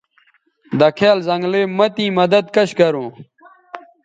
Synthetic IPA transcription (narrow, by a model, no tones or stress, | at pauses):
d̪ɐkʰeːlzɐ̃ŋɡleːmɐt̪ĩːmɐd̪ɐd̪̚kɐɕɡɐɾũː